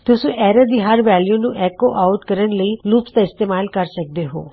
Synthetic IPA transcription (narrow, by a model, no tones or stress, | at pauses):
t̪ʊsũʔɛːɾəd̪iɦɐɾʋɛːljũnũʔɛːkoʔaʊʈkɐɾəɳləiluːpst̪aɪst̪eːmaːlkɐɾsɐk̚d̪eɦo̰ː